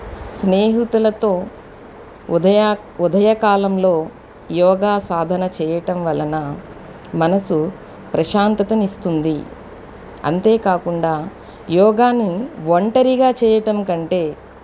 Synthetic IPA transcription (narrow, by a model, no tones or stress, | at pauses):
sneːɦut̪ulɐt̪o̞ː | ud̪ʱɐjɐkaːlɐmlo̞ː | jɔːɡaːsaːd̪ʱɐnɐt͡ʃɛːjɐʈɐmʋɐlɐnɐ | mɐnɐsu | pɾɐʃaːnt̪ɐt̪ɐmist̪und̪i | ɐ̰nt̪e̞ːkaːkuɳɖaː | jɔːɡaːnːiʋɐɳʈɐɾiɡaːt͡ʃɛːjɐʈɐmkɐɳʈe̞ː